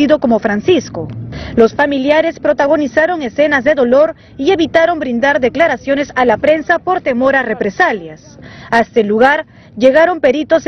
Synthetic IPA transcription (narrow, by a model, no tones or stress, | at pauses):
iðo̞ko̞mo̞fɾansisko̞lo̞sfamiljaɾe̞spɾo̞t̪aɣo̞nisaɾo̞ŋe̞se̞nazðe̞ðo̞lo̞ɾ | ie̞βit̪aɾo̞mbɾind̪aɾðe̞klaɾasjo̞ne̞salapɾe̞nsapo̞ɾt̪e̞mo̞ɾare̞pɾe̞saljas | aest̪eluɣaɾ | ʝe̞ɣaɾo̞mpe̞ɾit̪o̞s